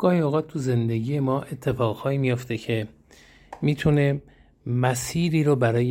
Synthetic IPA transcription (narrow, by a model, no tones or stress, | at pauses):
ɡ̥ɒːhioːɣɒːt̪̚t̪ʰuze̞nd̪e̞ɡiːje̞mɒːʔe̞t̪ʰːe̞fɒːɣhɒːimijoft̪ʰe̞cʰe̞ | miːt̪ʰune̞ | mæsiːɾiːɾobæɾɒːje